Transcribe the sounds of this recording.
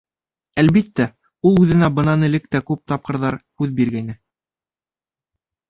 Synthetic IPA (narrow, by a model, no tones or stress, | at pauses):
ælβit̪ːæ | ulˠʉðɘ̆næbɤ̆nɑnɘ̆lɘk̚t̪ækʉp̚t̪ɑp̚qɤ̆ɾðɑɾhʉðbiɾɡæjnɘ